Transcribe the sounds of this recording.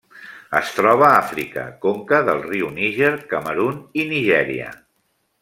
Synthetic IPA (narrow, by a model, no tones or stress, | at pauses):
ə̰st̪ɾɔβ̞əafɾikə̰koŋkəðəlˠriuniʒeɾkəməɾuniniʒɛɾḭə̰